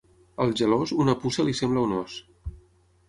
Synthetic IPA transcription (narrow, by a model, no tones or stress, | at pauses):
əlˠʒəlozunəpusəlisembləunɔs